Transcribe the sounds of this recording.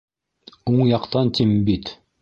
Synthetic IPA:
uɴjɑqt̪ɑnt̪ʰimbit̪

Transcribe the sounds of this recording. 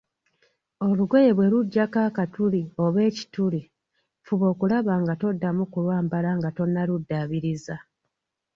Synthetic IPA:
o̞luɡwejeβwe̞ɾuɟːakaːkatulio̞βe̞ːci̥tuli | fuβo̞ːkulaβaŋɡato̞dːamukulwaːmbalaŋɡato̞nːaludːaβiɾiza

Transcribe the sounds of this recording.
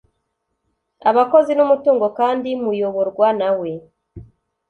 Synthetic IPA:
a̰βako̞zinumutuːŋɡo̞kaːndimujo̞βo̞ɾɡwanawe̞

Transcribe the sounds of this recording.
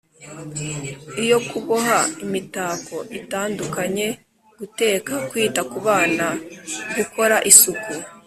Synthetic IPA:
ijo̞kuβohaimitaːko̞ʔitaːndukaɲe̞ | ɡ̥ute̞ːkakwiːtakuβaːnaβiko̞ɾaʔisuku

